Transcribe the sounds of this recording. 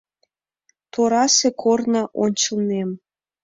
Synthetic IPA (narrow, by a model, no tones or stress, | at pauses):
t̪oɾɑsekʰornɑʔonʲt͡ɕəlnem